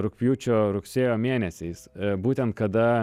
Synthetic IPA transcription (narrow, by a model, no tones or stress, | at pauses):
ɾʊkʲpʲjuːt͡ʃʲoːɾʊksʲeːjoːmʲeːnʲɛsʲɛɪsbuːt̪ʲɛnt̪̚kɐd̪ɐ